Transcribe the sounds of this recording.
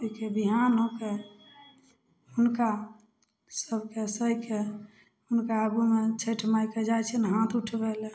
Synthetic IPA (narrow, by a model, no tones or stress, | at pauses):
ikebiɦanõke | unka | səbʱkesəɦke | unkaəɡumet͡ʃʰəʈʰmajked͡ʒajt͡ʃʰɛnɦãt̪ʰuʈʰbɛl